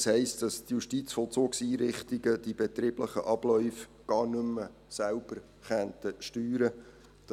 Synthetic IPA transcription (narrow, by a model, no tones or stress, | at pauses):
shɛɪstd̥ɑstjuʃtit͡sfɔlt͡soːksiːɾɪχtiɡəd̪ibɛt̪ɾɪːbləχə̰ʔɑb̥lœʏfɡ̥ɑːrnɵmːə | sælb̥əɾ | χɛnt̪əʃtyːɾə | d̥ɑ